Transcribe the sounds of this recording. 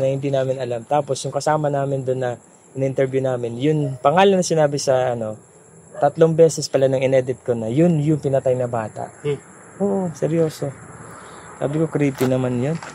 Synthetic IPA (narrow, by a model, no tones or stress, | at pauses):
nɐhɪnd̪inaːmɪnɐlamt̪aːpo̞sjʊŋkɐsaːmɐnaːmɪnd̪onːɐ | ʔɪnɐʔɪnt̪ɛɹbjunaːmɪnjʊnpɐŋaːlɐnːɐsɪnaːbɪsɐʔɐno̞ | t̪ɐt̪lo̞ŋbɛːsɛspɐlanɐŋɪnɛd̪ɪt̪̚ko̞nɐjʊnjʊŋpɪnɐt̪ajnɐbaːt̪ɐ̰ʔ | ʔoːʔosɛɾjo̞ːso̞ | sa̰ːbɪko̞kɾipɪnɐmanjon